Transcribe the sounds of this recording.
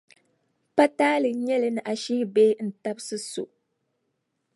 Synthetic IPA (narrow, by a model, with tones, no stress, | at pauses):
pa˦taː˦lɨ˨ɲɛ˦lɨ˦nɨ˨ʔa˨ʃi˦hbeː˦n̩˨ta˦bsɨ˦so̰˨